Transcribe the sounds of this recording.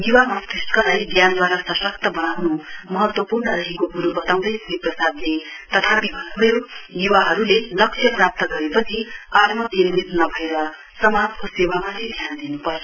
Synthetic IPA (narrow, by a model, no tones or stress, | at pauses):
juwamasiskʌlajd̪jand̪waɾasʌsʌk̚t̪ʌbʌnawnumʌɦʌt̪wʌpurnʌɾʌɦikokuɾubʌt̪aw̃d̪ʌjsiprʌsad̪net̪ʌt̪ʰapibʱʌnubʱʌjojuwaɦʌɾulelʌk̚sʰjʌprap̚t̪ʌɡʌɾepʌt͡sʰiat̪mʌd͡zinmit̪nʌbʱʌeɾʌ | sʌmad͡zkosewamatʰid̪ʱjand̪inupʌro